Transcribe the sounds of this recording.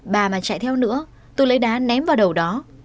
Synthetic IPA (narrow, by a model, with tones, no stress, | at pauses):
ɓaː˨˩maː˨˩t͡ɕa̰˧˨jt̪ʰɛ˧wnɨ̰˧˥ə | t̪o˧jlə˨˦jɗaː˨˦nɛ˨˦mvaː˨˩wɗə˨˩wɗɔ˨˦